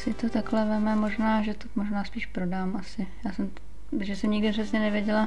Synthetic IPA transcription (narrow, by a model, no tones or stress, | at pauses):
sɪt̪o̞t̪aklɛvɛmɛmoʒnaːʒɛt̪omoʒnaːspiːʃpɾo̞daːmʔasɪjaːsɛm | ʒɛsɛmɲɪɡdɪpr̥ɛsɲɛnɛvjɛɟɛla